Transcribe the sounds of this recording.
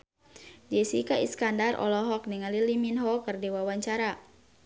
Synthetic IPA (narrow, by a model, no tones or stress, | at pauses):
d͡ʒɛsikaʔḭskandarʔɔ̰lɔɦɔk̚niŋaliliminɦɔkɨrdiwawaɲt͡ʃaɾa